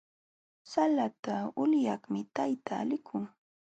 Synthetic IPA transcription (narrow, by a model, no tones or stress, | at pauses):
salat̪aʊljɑχmɪt̪ajt̪a̰ːlɪkʰʊŋ